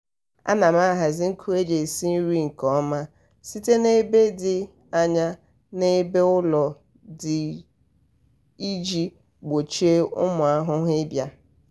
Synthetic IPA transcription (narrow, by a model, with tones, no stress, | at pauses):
a̰˦na˨m˦a˦ɦa˨zɪ˦ŋ̩˦kʰu˦e˦d͡ʒe˨si˦n̩˦ɾi˦ŋ̩˨kɔ˨˦ma˦ | si˦te˦ne˦be˦dɪ˨ | a˦ɲa˦ | ne˦be˦ʊ˦lɔ˨ | dɪ˨ | i˦d͡ʒi˦ | ɡ͡bo˨t͡ʃi˦e˦ʊ̰˦mʊ˨a˦ɦʊ˦ɦɪ˦bja˦